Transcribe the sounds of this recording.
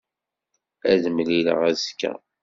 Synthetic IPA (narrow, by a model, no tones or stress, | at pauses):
æðəmlilə̰ʁæzkːæ̰